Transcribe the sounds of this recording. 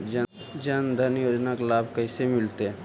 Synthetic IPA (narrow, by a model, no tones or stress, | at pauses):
d͡ʒə | d͡ʒənd̪ʱənjoːd͡ʒnaklaːb̚ʱkəɪsemɪlt̪eɛ̃